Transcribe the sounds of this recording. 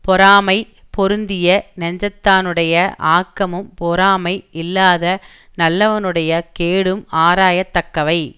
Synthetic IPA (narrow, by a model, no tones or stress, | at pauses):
pɔɾaːmɐɪ | pɔɾɯnd̪ɪjɐnɐɲd͡ʒɐt̪ːaːnɯɽɐjɐʔaːkːɐmɯmpɔɾaːmɐɪɪlːaːðɐ | nɐlːɐʋɐnɯɽɐjɐkeːɽɯmaːɾaːjɐt̪ːɐkːɐʋɐɪ